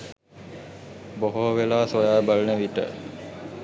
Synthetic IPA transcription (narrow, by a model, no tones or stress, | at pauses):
boɦoɦoʋelaːsojaːbalənəʋiʈə̰